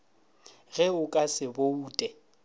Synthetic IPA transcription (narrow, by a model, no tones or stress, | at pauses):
ɣɛʊkʼasɪbouːtʼɛ